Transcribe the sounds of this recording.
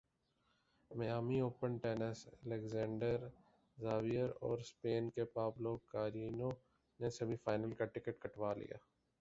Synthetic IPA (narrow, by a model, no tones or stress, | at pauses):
mɛjaːmioːpənʈeːnəsleɡzɛ̃ːɳɖəɾ | zaːʋijəɾɔ̰ːɾspeːnkepaːbloːkaːɾiːnõ | nesɐbʱifaːɪnəlkaʈɪkəʈkɐʈʋaːlḭja̰ː